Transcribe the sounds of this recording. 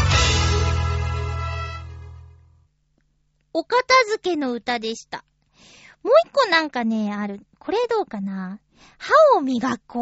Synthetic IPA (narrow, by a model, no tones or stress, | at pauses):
o̞kat̪azɨke̞no̞ɯ̟t̪ad̪e̞ɕi̥t̪a | mo̞ːikːo̞nãŋkane̞aɾɯ̟ko̞ɾe̞d̪o̞ːkana | haomʲiɡako